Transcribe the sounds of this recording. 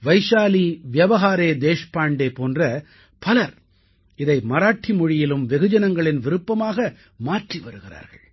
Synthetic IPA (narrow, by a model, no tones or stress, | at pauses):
ʋɐɪʂaːliʋɪjɐʋɐɣaːɾeːd̪eːʂpaːɳɖeːpoːndrɐ | pɐlɐɾ | ɪðɐɪmɐɾaːʈːimɔɻɪjɪlɯmʋɛɣɯd͡ʒɐnɐŋɡɐɭɪnʋɪɾɯpːɐmaːɣɐ | maːʈriʋɐɾɯɣɪra̰ːɾɣɐ̰ɭ